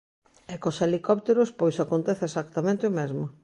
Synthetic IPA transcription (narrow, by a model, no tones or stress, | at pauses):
ɛkoselikɔp̚t̪eɾʊspojsakont̪ɛθɪesakt̪amẽnt̪ɪomezmʊ